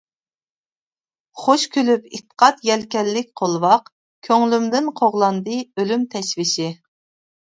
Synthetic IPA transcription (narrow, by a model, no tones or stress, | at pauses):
χoʃkʲʰølypit̪ə̥qʰɑt̪jɛlkʲɛlːɪk̚ʲqʰolˠwɑq | kʲʰøŋlymd̪ɪnqʰoʁlˠɑnd̪ɨølymt̪ʰɛʃvɪʃɪ